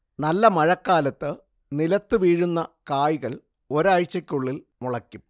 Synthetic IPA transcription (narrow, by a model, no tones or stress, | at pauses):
nɐlːɐmɐɻɐkːaːlɐt̪ːɨ | nilɐt̪ːɨʋiːɻunːɐkaːjiɣɐɭ | o̞ɾɐɻt͡ɕːɐkʲːuɭːil | muɭɐkʲːum